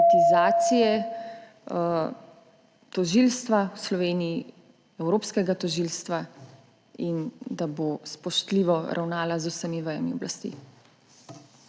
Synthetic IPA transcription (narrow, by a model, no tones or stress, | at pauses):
t̪izaːt̪sijɛ | t̪ɔʒilst̪ʋawslɔʋeːniji | ɛwɾoːpskɛɡat̪ɔʒiːlst̪ʋa | ind̪abospɔʃt̪liːʋɔɾʔa̰wnaːlazusəmiʋəja̰miɔ̰blast̪ḭ